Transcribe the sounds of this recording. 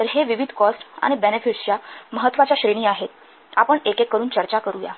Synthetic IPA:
t̪əɾɦeʋiʋid̪ʱkɔsʈa̰ɽ̃ibenefiʈst͡ɕjaməɦət̪ːʋat͡ɕjaɕɾeñiːaɦet̪̚ | apəɳekekːəɾuːnt͡ɕəɾt͡ɕakəɾuja̰

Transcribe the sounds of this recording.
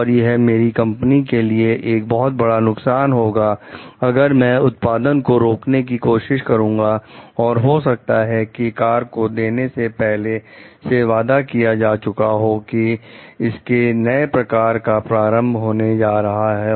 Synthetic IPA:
ɔːɾjeɦɛmeːɾikɐ̃mpnikelieʔeːk̚bɔɦʊt̪̚bɐɽanʊksaːnɦoːɡaːɐɡəɾmɛ̃ːʊt̪paːd̪ənkoɾoːknek̬ikoːʃɪʃkɐɾũːɡaɔːɾɦosɐk̚t̪aɦɛkikaːɾkod̪eːnesepɛɦleseʋaːd̪akijad͡ʒaːt͡ʃʊkaɦokiɪskenɐepɾɐkaːɾkapɾaːɾə̃mbʱɦoːned͡ʒaːɾɐɦaɦɛ

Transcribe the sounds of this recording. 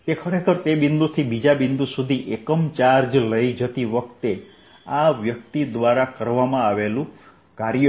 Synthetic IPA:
t̪ekʰɔɾek̪ʰɔɾt̪ebind̪ut̪ʰibid͡ʒabind̪usud̪ʱiʔekɔmt͡ʃaɾd͡ʒləjd͡ʒɔt̪ibɔkt̪e | abjɔk̚t̪id̪waɾakəɾʋamãːʋelu | kaɾjɔ

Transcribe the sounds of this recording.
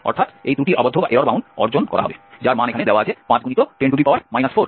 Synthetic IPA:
ɔ̰ɾt̪ʰat̪ejd̪ɾuʈiɾʔabod̪ʱoaʔeɾaɾbaunɔ̰ɾd͡ʑonkɔ̰ɾa̰ɦɔbed͡ʑaɾmãnekʰaned̪ewaat͡ɕʰepãt͡ɕɡunit̪oʈeɳɖud̪ipawaɾmajnasfoɾ

